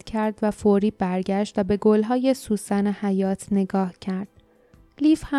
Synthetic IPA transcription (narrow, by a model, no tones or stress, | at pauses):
cʰæɾd̪væfoɾiːbæɾɟæʃt̪væbe̞ɡolɦɒːje̞suːsænehæjɒːt̪ʰne̞ɡɒːhcʰæɾd̪̥ | liːfhæ